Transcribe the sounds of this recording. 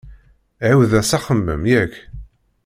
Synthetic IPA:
ʕæwðæsaχəmːə̰mjæç

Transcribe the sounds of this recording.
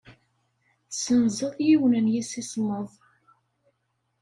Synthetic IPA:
sənzəðˤjiwnənjisisməðˤ

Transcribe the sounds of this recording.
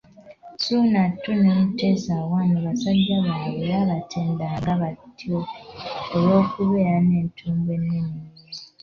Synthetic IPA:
sunatːunemute̞zawaːmuβasaɟːaβaːweɾaβatʰeːndaːŋɡaβatʰioː | lo̞ːkuβe̞ːɾane̞ːntʰuːmbwe̞nːini

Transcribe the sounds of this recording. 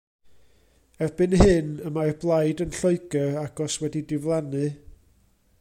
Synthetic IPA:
ɛvbɨnhɨnəmarblˠajdənɬoɨɡəaɡ̥ɔswɛdidɪvlˠanɨ

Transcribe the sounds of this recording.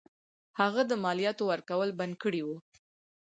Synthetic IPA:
haɣad̪əmɑlijɑt̪owəɾkawəlband̪̚kəɽiwu

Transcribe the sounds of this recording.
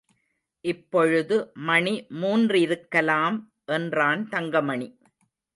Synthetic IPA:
ʔɪpːɔɻɯðɯmɐɳimuːndrɪɾɯkːɐlaːm | ʔɛndraːnt̪ɐŋɡɐmɐɳi

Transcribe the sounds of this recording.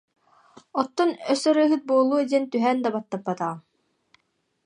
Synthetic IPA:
ɔt̪ːɔnœsœɾɯːɦɯt̪̚buɔlˠːuːd̪iɛnt̪yɦɛːnd̪abat̪ːapːat̪aʁ

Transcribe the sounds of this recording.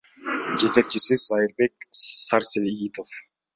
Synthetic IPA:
d͡ʒe̞t̪e̞k̚t͡ʃisizɑjɯɾbek̚sɑɾselɡit̪of

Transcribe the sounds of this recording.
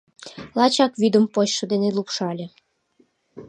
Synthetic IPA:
lɑt͡ɕɑkβyd̪əmpoɕʃɤ̆d̪enelupʃɑlʲĕ

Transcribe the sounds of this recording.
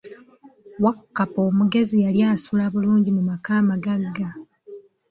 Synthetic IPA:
wakːapoːmuɡe̞zijaljaːsulaβuluːɲɟimumakaːmaɡaɡːa

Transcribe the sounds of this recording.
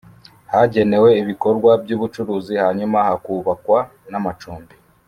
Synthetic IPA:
haɟe̞ne̞we̞iβiko̞ɾɡwabjuːβut͡ʃuɾuːzihaɲumahakuβakwa | namat͡ʃuːmbi

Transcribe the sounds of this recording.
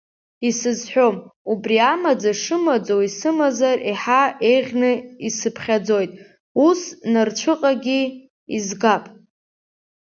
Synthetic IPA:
isɨzħʷᶣo̞mubriamad͡zaʂɨmad͡zo̞wisɨmazariħaeʁʲnɨisɨpʰχʲad͡zo̞jtʼ | usnart͡ʃʷʰɨqʼaɡʲi | izɡapʼ

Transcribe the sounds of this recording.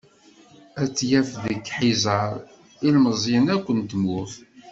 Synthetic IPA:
æt͡sːjæfðəkːħizəɾˤ | ilməzˤjɪnækʷːənt̪əmʊθ

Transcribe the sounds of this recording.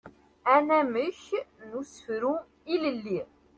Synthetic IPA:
ænæməçnusəfɾu | iləlːi

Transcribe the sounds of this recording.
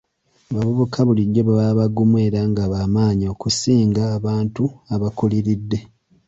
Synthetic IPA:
aβaβuβukʰaβuliɟːo̞βaβaβaɡːumwe̞ːɾaŋɡaβaːmaːɲio̞ːkusiːŋɡaːβaːntuaβakuliɾidːe̞

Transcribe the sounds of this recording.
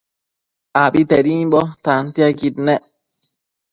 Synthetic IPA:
abitɛɾiɓɔtantiaɡit̚nɛ

